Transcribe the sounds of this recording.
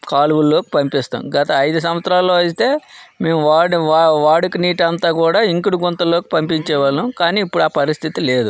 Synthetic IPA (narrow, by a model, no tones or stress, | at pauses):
kaːlʋulːo̞ːki̥pɐmpist̪a̰ːmɡɐt̪ɐːjd̪us̬ɐmʋɐt̪sɾaːlːo̞ːɐsit̪e̞ːme̞ːmaːɽʋaːɽukiniːʈɐnt̪aːkuːɽaːiŋkiɽuɡont̪ɐlːo̞ːki̥pɐmpiɲt͡ʃɛːʋɐlukaːniːpːuɽuaːpɐɾist̪ʰit̪ile̞ːd̪u